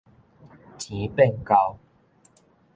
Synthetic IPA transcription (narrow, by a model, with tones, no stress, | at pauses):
tʰi˨˦pe˥˨nka˦ʊw